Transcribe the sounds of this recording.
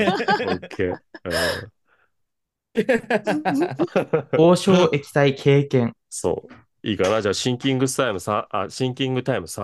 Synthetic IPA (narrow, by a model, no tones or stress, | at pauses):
okʰːeːɯ̃ | oːɕo̞ːʔe̞kʲi̥t̪aikʰe̞ːkẽ̞ŋ | so̰ː | iːkanad͡ʑaːɕĩŋkʲĩŋɡɯsɨ̥t̪aimɯ̟sãaɕĩŋkʲĩŋɡɯ̟t̪aimɯ̟sã